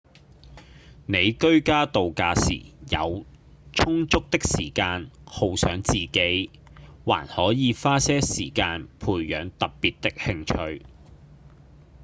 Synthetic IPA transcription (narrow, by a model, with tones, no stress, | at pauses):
ne˨˧jkɵ˥ɥkaː˥t̪o˨wkaː˧sḭː˨˩jɐ̰˨˧w | t͡ʃʰʊ˥ŋt͡sʊ˥k̚t̪ɪ˥k̚siː˨˩kaː˧nho˨˧wsœː˨˥ŋt͡siː˨˩ke˨˥j | wa̰ː˨˩nhɔː˨˥jiː˨˧faː˥sɛː˥siː˨˩kaː˧npʰuː˨˩jjœː˨˧ŋt̪ɐ˨p̚piː˨t̚t̪ɪ˥k̚hɪ˧ŋt͡ʃʰɵ˧ɥ